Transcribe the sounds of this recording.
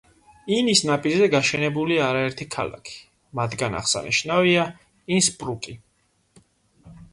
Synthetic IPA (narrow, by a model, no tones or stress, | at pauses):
inisnapʼiɾzɛɡaʃɛnɛbuliaɾaɛɾt̪ʰikʰa̰la̰kʰi̥ | mad̪ɡana̰χsa̰nḭʃnavia | inspʼɾukʼi